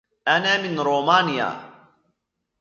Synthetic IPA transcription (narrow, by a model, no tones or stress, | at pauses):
ʔanaːmɪnɾoːmaːnɪja̰